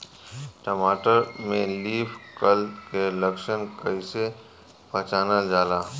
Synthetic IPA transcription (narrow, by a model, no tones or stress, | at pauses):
ʈəmaːʈəɾmẽliːpʰkəlkelɐkʃənkəise | pɐt͡ʃaːnad͡ʒaːlaː